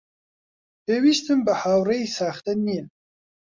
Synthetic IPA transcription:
pewiʃt̪əmbəhaːwɾəjsɑːxt̪anin

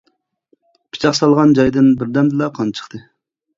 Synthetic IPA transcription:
pʰi̥t͡ʃʰɑχsɑlˠʁɑnd͡ʒɑjd̪ɨnbɪɾd̪ɛmd̪ɨlˠɑqʰɑnt͡ʃʰə̥χt̪ʰɨ

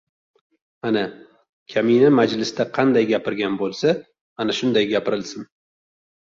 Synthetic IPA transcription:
ana | kʲʰaminamad͡ʒlɪsd̪aqʰɑnd̪ajɡʲapɪɾɡʲanbolˠsa | anaʃʊnd̪ajɡʲapɪɾɪlsɪn

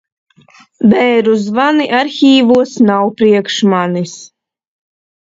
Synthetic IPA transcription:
bɛːɾuzvaniʔaɾxʲiːvuɔsnawpɾiɛkʃmanis

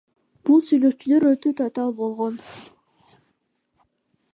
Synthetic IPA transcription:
b̥ulˠsyjlø̞kt͡ʃyløɾøt̪øt̪ʰɑt̪ɑlˠbo̞lˠʁo̞n

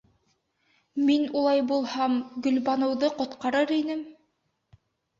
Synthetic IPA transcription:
minulˠɑjbulˠhɑmɡɵ̆lβɑnɤ̆wðɤqŏt̪qɑɾɤɾinɘm

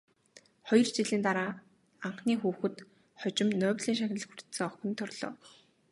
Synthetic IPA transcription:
χɔjɞ̆rt͡ɕiɮiːnt̪aɾaː | aɴχniːxuːxɘ̆t̪ | χɔt͡ɕɪ̆mnœːwʲɮiːŋʃaxʲɪ̆ɮ̆xursɘ̆ŋɔxʲɪ̆nt̪ʰːɔrɮɔ̰ː

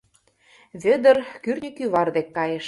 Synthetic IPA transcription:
βʲɘ̆d̪ə̆rkyrnʲikyβɑrd̪ekːɑjeʃ

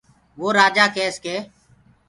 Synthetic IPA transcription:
ʋoːɾaːd͡ʒaːkeːskeː

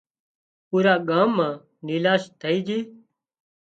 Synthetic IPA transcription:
puːɾaːɡãːmːãː | niːlaːst̪ʰəiːd͡ʒiː

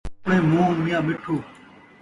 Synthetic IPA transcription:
ɳẽːmõːnmɪjãːmɪʈʰoː

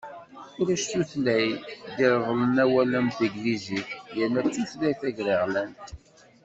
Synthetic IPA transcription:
ʊɾæʃθuθlæjd̪ɪɾʁlənæwæləmθəɡlizijənæt͡sːuθlæjθæʝɾiʁlæn

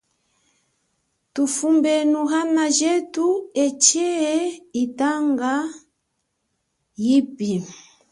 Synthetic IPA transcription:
tufumbɛnuɣanaʒɛtuɛt͡ʃɛitaŋɡa | jipi

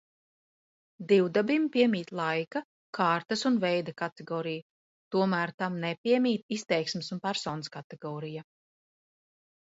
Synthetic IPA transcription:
d̪iwd̪abimpiɛmʲiːt̪lˠajkɐ | kʰaːɾt̪ɐsunvɛjd̪akat̪eɡɔːɾija | t̪uɔmæːɾt̪amnɛpʲiɛmʲiːt̪ist̪ɛjksmisunpæɾsɔːnəskat̪eɡɔːɾija

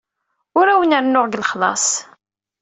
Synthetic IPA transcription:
ʊɾæwənəɾnːʊʁɡlχlɑ̰sˤ

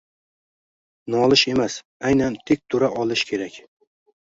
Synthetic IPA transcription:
nɒlˠɪʃe̞mas | ajnant̪ʰek̚ʲt̪ʰʊɾaʔɒlˠɪʃkʲʰe̞ɾakʲ

